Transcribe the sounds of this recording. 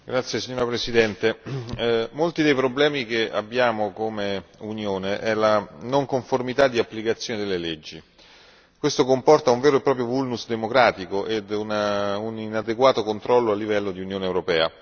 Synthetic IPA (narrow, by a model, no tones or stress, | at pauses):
ɡɾat̪sːjesiɲːoːɾapɾesid̪ɛnt̪e | molt̪id̪ejpɾoblɛːmik̟ea̰bːjaːmokomeunjoːneʔɛlanoŋkoɱformit̪ad̪ːiapːlikat̪sːjoːned̪elːeled͡ʒːi | kwest̪okompɔrt̪auɱvɛːɾoepːɾɔːpɾjovulnusd̪emokɾaːt̪ikoʔed̪ununinad̪eɡwaːt̪okont̪ɾɔlːoalːivɛlːod̪iunjoːnewɾopɛːa̰